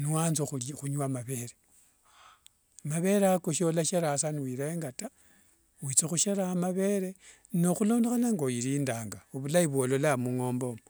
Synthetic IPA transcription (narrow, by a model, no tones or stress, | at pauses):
nuwanzoxulxuɲwamaβe̞ɾe | maβe̞ɾeakoʃio̞laʃeɾasaniwiɾeeŋɡata | wit͡sexuʃeɾaːmaβe̞ɾe̞ | noxulo̞ːndexanaŋɡoiɾiːndaːŋɡauβulaiβwolo̞lamuŋo̞ːmbo̞m